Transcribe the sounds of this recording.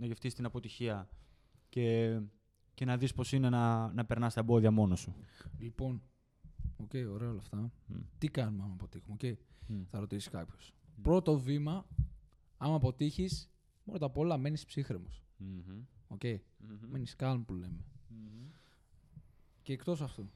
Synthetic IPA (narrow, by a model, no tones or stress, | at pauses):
nɐʝeft̪ist̪inɐpo̞t̪içiɐ | ce̞ | ce̞nɐðispo̞sinenɐnɐpeɾnɐst̪ɐebo̞ðiɐmo̞nosulipo̞n | o̞ce̞jo̞ɾe̞ɐolɐft̪ɐt̪ikɐnumeɐmɐpo̞t̪ixumoce̞iθɐɾo̞t̪isi̥kɐpço̞̥spɾo̞t̪o̞vimɐ | ɐmɐpo̞t̪içis | pɾo̞t̪ɐpo̞lɐme̞nispsixɾemo̞̰s | o̞ce̞ime̞niskɐlmpule̞me̞ | ceːkt̪o̞sɐft̪o